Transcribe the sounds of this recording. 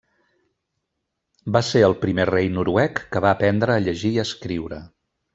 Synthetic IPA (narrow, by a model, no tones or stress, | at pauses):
baseəlˠpɾimerejnuɾuɛkːəβaːpɛnd̪ɾəːʎəʒiːəskɾiwɾə